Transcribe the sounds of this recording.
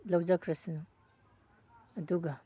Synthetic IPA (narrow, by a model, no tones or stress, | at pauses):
lɐwzakʰɾɐsinu | duɡa